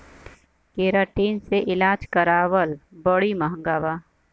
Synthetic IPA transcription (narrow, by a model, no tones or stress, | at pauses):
keːɾaːʈiːnseʔɪlaːd͡ʒkəɾaːwəlbəɽimɐɦə̃ŋɡaːʋaː